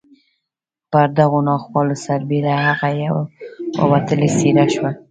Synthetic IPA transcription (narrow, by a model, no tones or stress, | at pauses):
pəɾd̪aɣonɑxwɑlosaɾbeɾahaɣajawawa̰wat̪əlesiɾaʃwa